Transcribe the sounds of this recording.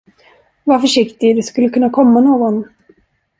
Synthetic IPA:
vafœʂɪkt̪ɪd̪ɛskɵlːəkʰɵnːakʰɔmːanoːɡɔn

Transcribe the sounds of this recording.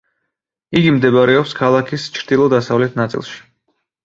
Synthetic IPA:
iɡimd̪ɛbɾɛɔpskʰalˠakʰist͡ʃʰɾd̪ilˠɔd̪asavlɛt̪ʰnat̪sʼḭlˠʃi̥

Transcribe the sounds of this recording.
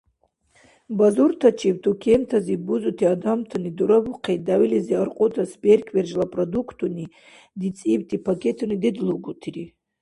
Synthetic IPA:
bazurtʰat͡ʃʰib̚tʰukʲʰemtʰazibuzutʰiadamtʰaniduɾabuqʰejt̚dawiliziarqʼotʰasberkʲʰwerʒlapʼrodukʰtʰuni | dit͡sʼibtʼipʰakʲʰetʰunidedluɡutʰiɾi

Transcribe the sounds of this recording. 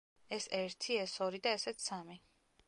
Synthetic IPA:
ɛsɛɾt̪ʰiɛsɔɾid̪aɛsɛt̪sami

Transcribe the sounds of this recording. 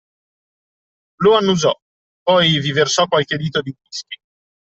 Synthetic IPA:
loanːud͡ʒɔ | pɔjviversɔkwalk̟ed̪iːt̪od̪iɡiski

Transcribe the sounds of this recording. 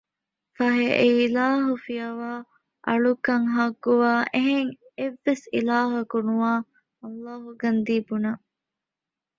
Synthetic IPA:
fɐɦeʔeilaːɦufijɐʋaː | ʔɐɭukɐŋɦɐɡːuʋaːʔeɦeŋeʋːesḭlaːɦɐkunuaː | ɐlːaːɦuɡɐnd̪iːbunɐ

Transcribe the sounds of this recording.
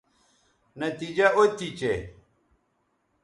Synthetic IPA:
nɐt̪id͡ʑɐʔot̪it͡ɕe

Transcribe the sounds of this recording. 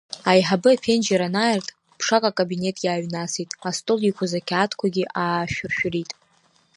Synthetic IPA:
ajħabɨapʰe̞nd͡ʒeɾanaːjɪrtʼ | pʰʂakʼakʼabine̞tʼjaːɥnasitʼastʼolikʷʰazakʲʰaːtʰkʷʰaɡʲiʔaːʃᶣʊrʃᶣritʼ

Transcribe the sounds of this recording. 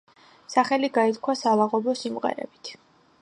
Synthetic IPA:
saχɛliɡait̪kʰwasalaʁɔbɔsimʁɛ̰ɾɛ̰bi̥t̪ʰ

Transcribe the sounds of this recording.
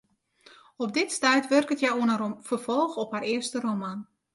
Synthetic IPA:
ɔb̚dɪtstɛjtʋørkətjɛjoənəfərvɔlˠxɔpharɪəstəroman

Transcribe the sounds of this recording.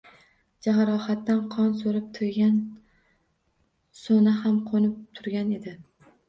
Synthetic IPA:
d͡ʒaɦaɾɒhat̪ːanqʰɒnsoɾɪp̚t̪ʰʊjɡʲan | sonahamqʰonɪp̚t̪ʰʊɾɡʲane̞d̪ɪ

